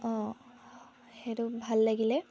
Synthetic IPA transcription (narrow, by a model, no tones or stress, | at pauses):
ɔ̃ | heɹubʱalːaɡilɛ